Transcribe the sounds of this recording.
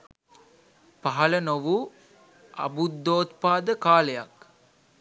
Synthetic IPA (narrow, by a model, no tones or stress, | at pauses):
paɦɐlənoʋu | ɐ̰bud̪ːoːt̪paːd̪əkaːleja̰k